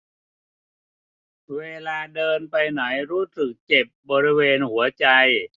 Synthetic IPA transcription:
weː˧laː˧dɤː˧npa˧jna˩˦jɾuː˦˥˩sɯ˨˩k̚t͡ɕe˨˩p̚bɔː˧ɾi˦˥weː˧nhu˩˦ɐt͡ɕa˧j

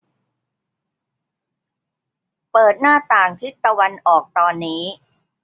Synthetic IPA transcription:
pɤː˨˩t̪̚naː˥˩t̪aː˨˩ŋt̪ʰi˦˥˩t̪ːa˧wa˧nʔɔː˨˩k̚t̪ɔː˧nːiː˦˥

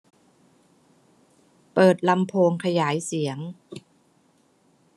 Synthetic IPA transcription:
pɤː˨˩t̪̚la˧mpʰoː˧ŋkʰa˧jaː˩˦jsi˩˦əŋ

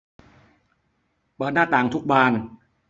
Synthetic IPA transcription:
pɤː˨˩t̪̚naː˥˩t̪aː˨˩ŋt̪ʰu˦˥k̚baː˧n

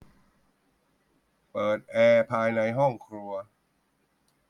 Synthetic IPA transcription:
pɤː˨˩t̪̚ʔɛː˧pʰaː˧jna˧jɦɔ˥˩ŋkʰɾu˧ɐ

